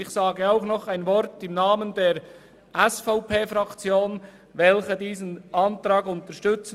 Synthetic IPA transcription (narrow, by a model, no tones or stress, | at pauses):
ɪçsaːɡəaʊxnɔχaɪnvɔɾtɪmnaːməndeːɾ | ʔɛsfaʊpʰeːfɾɑkt͡sjoːn | vɛlçədiːzənʔɑntɾɑːɡʊntəʃtʏt͡s